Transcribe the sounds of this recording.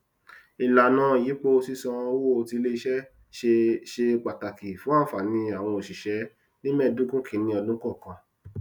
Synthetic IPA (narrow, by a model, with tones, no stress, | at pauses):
i˨la˨nãː˦˨ji˨˦k͡pe˦o˧si˦sɔ̃˧˦wo˧ti˧le˦i˧ʃɛ˦ | e˧ʃe˧k͡pa˨ta˨ki˨fũ˦a˦˨˦fa˨nĩ˧a˨w̃ɔ̃˧o˨ʃi˨ʃɛ˨˦ | nĩ˦mɛ˦˨du˦kũ˦kʰĩ˦˨nĩ˧ɔ˧lũ˦kɔ˦˨kã˧